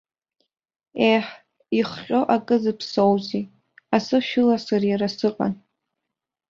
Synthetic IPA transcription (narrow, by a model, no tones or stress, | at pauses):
eħ | iχχʲʼo̞ʔakʼɨzɨpʰsowzi | asɨʃᶣɪlasarjaɾasɨqʼa̰n